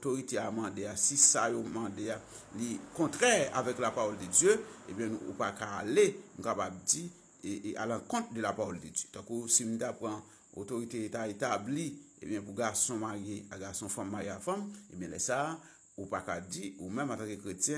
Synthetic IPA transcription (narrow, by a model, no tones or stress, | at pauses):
otoɣiteamãdeasisajomãdea | likɔ̃t̪ʁɛa̰vɛklapaʁɔlded͡zjøebjɛ̃ṵpakaːlenũkapab̚d͡zi | ea̰lãkɔ̃t̪̚dølapaʁɔlded͡zjøt̪ãkusim̩tapʁã | o̰toɣitetaetabliḛbjɛ̃puɡasɔ̃maʁjeaɡasɔ̃fãmːaɣjeafãmebjɛ̃lɛsa | upakad͡ziumɛ̃mãtãkekʁetjɛ̃